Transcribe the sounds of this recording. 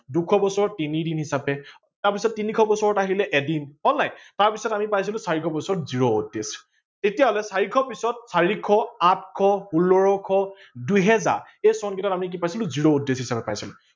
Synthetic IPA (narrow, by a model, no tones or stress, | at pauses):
dukʰɔbɔsɔɹɔtinidinɦisapɛ | taɹpisɔtːinikʰɔbɔsɔɹɔtaɦilɛʔɛdinɔnːajtaɹpisɔtamipajsilʊ̃saɹikʰɔbɔsɔɔtziɹoṵdːes | tetijaɦɔlɛsaɹikʰɔpisɔt̚saɹikʰɔat̚ʰkʰɔhulɔɹɔkʰɔ | duɦɛza̰ɹ | ejsɔnkɛtatamik̬ipajsilʊ̃ziɹoudːesɦisapɛpajsilʊ